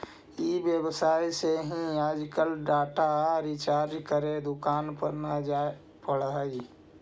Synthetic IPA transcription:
ibjəbsaːiseɦĩaːd͡ʒkəlɖaːʈaɾɪt͡ʃaːɾd͡ʒkəɾed̪ʊkaːnpəɾnad͡ʒa | pəɽaːi

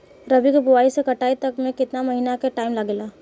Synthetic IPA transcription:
ɾɐbikebʊʋaːisekɐʈaːit̪ɐkmẽkɪt̪namɐɦiːnakeʈaːɪmlɐɡelaː

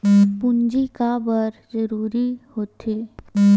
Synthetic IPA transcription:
pʊnd͡ʒikabəɾzəɾuːɾihoːt̪ʰeː

